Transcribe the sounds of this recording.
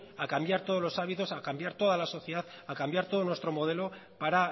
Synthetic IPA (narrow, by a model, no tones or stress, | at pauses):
akambjaɾt̪o̞ðlo̞saβit̪o̞sakambjaɾt̪o̞ð̞alaso̞θjeðaθakambjaɾt̪o̞ðonwe̞st̪ɾo̞mo̞ð̞e̞lo̞paɾa